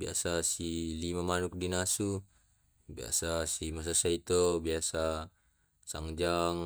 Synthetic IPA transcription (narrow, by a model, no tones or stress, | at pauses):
bia̰sasilimamanuk̚dinasu | bia̰sasimas̬asait̪ɔbiasa | saŋd͡ʒaŋ